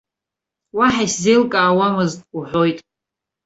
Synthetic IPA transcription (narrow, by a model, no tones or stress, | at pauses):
waħajszejlkʼaːwamɨztʼuħʷo̞jtʼ